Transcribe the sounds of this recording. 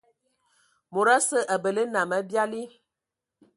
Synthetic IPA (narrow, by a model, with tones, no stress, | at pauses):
mo˨ɾa˦sə˦ʔə˨bə˨le˦nã˨mə˨˦bja˦li˦